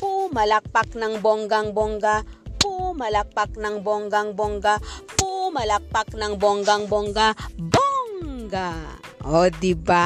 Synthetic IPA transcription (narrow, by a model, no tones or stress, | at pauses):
pumalak̚paknaŋbɔŋɡaŋbɔŋɡapumalak̚pak̚naŋbɔŋɡaŋbɔŋɡapumalak̚pak̚naŋbɔŋɡaŋbɔŋɡaboŋɡa | od̪iba